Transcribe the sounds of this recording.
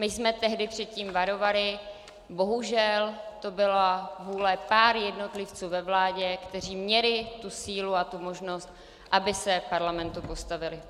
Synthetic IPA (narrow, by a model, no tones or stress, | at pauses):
mɪjsmɛt̪ɛɦdɪpr̝̥ɛt̪̚ciːmvaɾo̞valɪ | bo̞ɦuʒɛlt̪o̞bɪlavuːlɛpaːɾjɛdno̞t̪lɪft͡suːvɛvlaːɟɛkt̪ɛr̝iːmɲɛlɪt̪usiːluat̪umo̞ʒno̞st̪ | ʔabɪsɛpaɾlamɛnt̪upo̞st̪avɪlɪ